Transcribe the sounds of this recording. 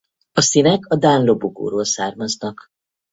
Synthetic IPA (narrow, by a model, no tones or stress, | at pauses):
ɒsinɛkɒd̪aːnlo̞boɡo̰ːɾoːlsaːrmɒznɒk